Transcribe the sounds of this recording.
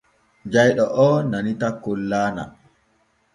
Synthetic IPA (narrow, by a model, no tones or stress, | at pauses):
d͡ʒajɗɔʔɔːnanitakːɔlːaːna̰